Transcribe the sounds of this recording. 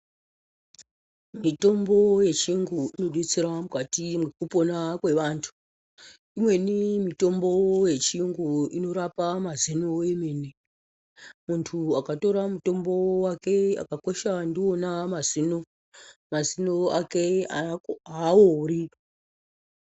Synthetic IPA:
mito̞mbo̞je̞t͡ʃiŋɡuino̞ɗwet͡siɾamukatimwekupo̞nakwe̞ʋaːntʰu̥ | imwe̞nimito̞mbo̞je̞t͡ʃiŋɡuino̞ɾapamazinoemene | muntʰuakato̞ɾamuto̞mbo̞wake̞a̰kakoʃandionamazino | mazinoakeaaori

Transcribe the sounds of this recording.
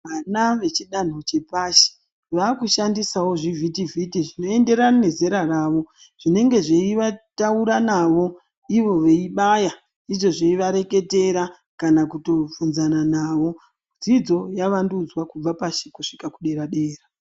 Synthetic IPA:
ʋanaʋe̞t͡ʃiɗan̤ot͡ʃe̞paʃi̥ | ʋaːkuʃandisawo̞ʐivʱitivitiʐino̞e̞nde̞ɾanne̞zeɾaraːʋo̞ | ʐ̥ine̞ŋɡe̞ʐeiʋatauɾanaʋo̞ | iʋo̞ʋe̞iɓaja | iʐo̞ʐeiʋaɾe̞ke̞te̞ɾa | kanakutovunzananaʋo̞ | d͡zid͡zo̞jaʋandud͡zwakub͡vapaʃikuʂi̥kakuɗe̞ɾaɗe̞ːra

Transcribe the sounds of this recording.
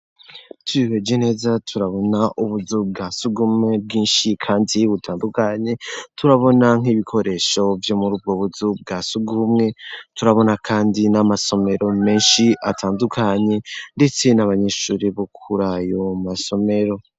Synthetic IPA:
tʰujiβed͡ʒene̞ːzatʰuɾaβo̞naʔuβuzub̚ɡaːsuɡumŋe̞b̚ɡiːnʃikʰaːndiβutʰaːndukaɲe̞tʰuɾaβo̞naŋ̥iβikʰo̞ɾe̞ʃo̞vjo̞muɾuːb̚ɡoβuzub̚ɡasuɡumŋe̞tuɾaβo̞nakʰaːndinamaso̞me̞ɾo̞me̞ːnʃiʔatʰaːndukʰaɲe̞nde̞t͡se̞naβaɲe̞ʃuːɾiβokʰuɾajo̞maso̞me̞ɾo̞

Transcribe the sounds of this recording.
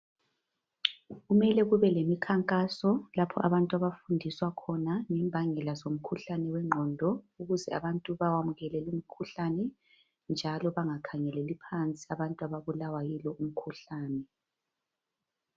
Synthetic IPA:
ɣumɛlɛɣuβɛlemikʰaŋkʼasɔlapʰɔ̰ʔaβantʼuaβafundʱiswakʰɔnaŋɛmbʱaŋɛlazom̩kʰuɬanɛwɛŋ͡ǃʱɔndʱɔ | uɣuzɛaβantʼuβawamuɣɛlɛlumikʰuɬanɛ | nd͡ʒʱalɔβaŋakʰaŋɛlɛlipʰant͡sʼi̥aβantʼuaβaβulawajilɔʔum̩kʰuɬaːnɛ

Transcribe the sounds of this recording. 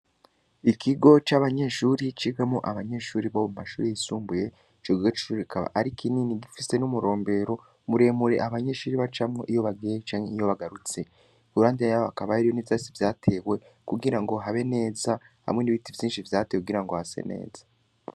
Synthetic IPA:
ikʰiɡo̞t͡ʃaβaɲe̞ʃuɾit͡ʃiɡamoʔaβaɲe̞ʃuːɾiβoβmumaʃuːɾejisuːmbuje̞ | t͡ʃoɡiɡot͡ʃi̥ʃuɾikʰaβa̰ʔaɾikʰininiɡifise̞numuɾo̞ːmbe̞ɾo̞ | muɾe̞ːmuɾe̞ʔaβaɲe̞ːʃuːɾiβat͡ʃamŋo̞ʔijo̞βaɡet͡ʃaːɲeijo̞βaɡaɾut͡se | uɾaːndiajaoakaβaiɾijoniβzasivjaːtʰe̞we̞ | kuɡiɾaŋɡo̞ɦaβe̞ne̞ːza | ha̰mŋe̞niβitivjiːnʃivjaːtewkuɡiɾaŋɡo̞hase̞̰ne̞̰ːz̥ḁ

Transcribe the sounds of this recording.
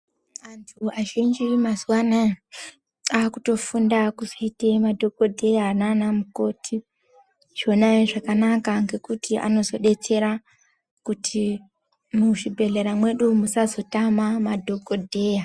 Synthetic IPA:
antʰuaʒind͡ʒimazuwana | aːkuto̞fundakuzoitemadʱo̞ko̞dʱe̞jananamuko̞tʰi | ʐ̥o̞naiʐakanakaŋɡe̞kutiʔa̰no̞zo̞ɗe̞t͡se̞ɾa | kutʰi | muʐibʱe̞ɮeɾamwe̞ɗumusazo̞tamamadʱo̞ko̞dʱe̞ja

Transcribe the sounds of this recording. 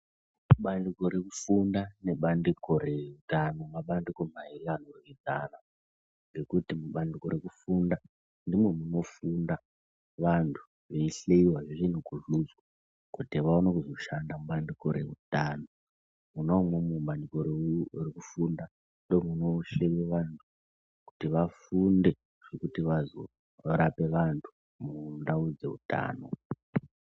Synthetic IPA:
muɓandiko̞ɾekufundaneɓandikoɾe̞rutanoŋɡaɓandikomaikanorʋidʱana | ŋɡe̞kutimuɓandikoɾe̞kufunda | ndimwe̞muno̞funda | ʋantʰu̥ | ʋe̞iɬeiwaʐiʐin̤uɡuʐuzɡaa | kutiʋaonakuzo̞ʃandamubandikoɾe̞̰ṵtaːno | munomwemumbandikoɾerekufunda | ndomuno̞ʃeweʋantʰu̥ | ku̥tiʋafunde̞ | ʐ̥ekutiʋazo̰ | ɾape̞ʋantʰu̥ | mundaud͡ze̞̰ṵta̰ːno̞̰

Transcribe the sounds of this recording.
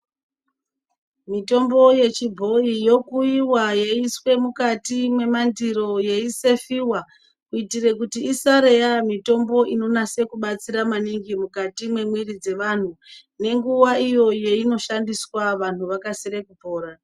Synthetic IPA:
mito̞mbo̞je̞t͡ʃibʱo̞ijo̞kuiwajeiswe̞mukatimwe̞mandiɾo̞je̞ise̞fiwa | kuitire̞kutiisaɾe̞jamito̞mbo̞ʔino̞nase̞kuɓat͡siɾamaniŋɡimukatimwe̞mwirid͡ze̞ʋan̤une̞ŋɡuʋaijo̞je̞ino̞ʃandiswaʋan̤uʋakasiɾekupo̞ːɾa

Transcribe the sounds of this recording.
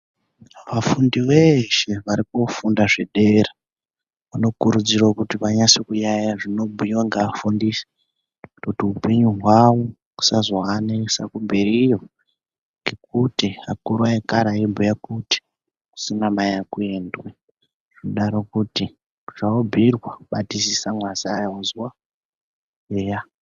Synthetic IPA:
ʋafundiʋeʃe̞ʋaɾikofundaʐeɗera | ʋano̞kuɾud͡zirakutipaɲasikujajaʐino̞bʱujiwaŋɡaːfundise̥ | utotiupe̞ɲuɦwawo | ku̥sazoanesakumbeɾijo̞ | ŋɡe̞k̚utiakuɾuaekaɾaibʱujakuti̥ | ku̥sinamajakueːndwe | ʐ̥inoɗaɾo̞kuti | ʐ̥aobʱirwaɓatisisamwasajauzwa | jeːja

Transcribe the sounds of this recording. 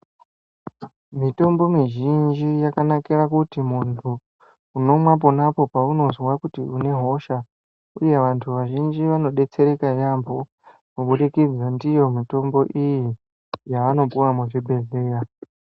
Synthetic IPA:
mito̞mbo̞miʒind͡ʒijakanakiɾakutimuntʰuː | no̞mwap̬o̞napo̞pauno̞zwakutiune̞ɦo̞ʃa | uje̞ʋantʰuʋaʒind͡ʒiʋano̞ɗe̞t͡se̞ɾe̞kajambʱo̞ | muɓuɗikid͡zandijo̞mito̞mbo̞ʔiji | jaːno̞puwamuʐibʱe̞ɮe̞ːra

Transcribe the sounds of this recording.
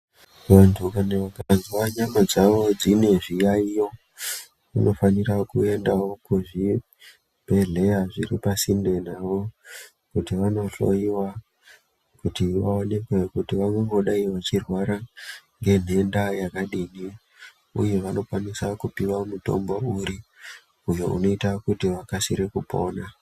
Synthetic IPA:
ʋantʰukaneʋakazwaɲamad͡zaʋo̞d͡zine̞ʐijaijo̞ | uno̞faniraokue̞ndawo̞kuʐi | b̥ʱe̞ɮe̞jaʐiripasinde̞naʋo̞ | kutiʋano̞ɬo̞̰iwa | kutiʋaone̞kwekutiʋaŋoŋɡo̞ɗaiʋat͡ʃirwaɾaŋɡe̞n̤e̞ndajakaɗini | ṵje̞ʋano̞kwanisakupiwamuto̞̰mbo̞uɾi | ujo̞uno̞itaokutiʋakasiɾekupo̞ːna

